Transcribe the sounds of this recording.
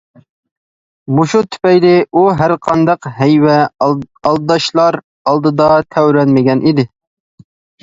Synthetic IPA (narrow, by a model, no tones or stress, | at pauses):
muʃut̪ʰy̥pɛjlɪʔuɦæɾqʰɑnd̪ɑqɦɛjwɛɑlˠd̪ɑʃlˠɑɾ | ɑlˠd̪ɨd̪ɑt̪ʰæwɾɛnmɪɡʲɛnʔid̪ɪ